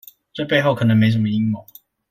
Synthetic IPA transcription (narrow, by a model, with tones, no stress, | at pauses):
t͡swe˥˧ɪpe˥˧ɪxo˥˩ʊkʰɤ˨˩nə˧˦ŋme˧˥ɪs̬ə˨˩mə˧i˦ŋmo˨˩˦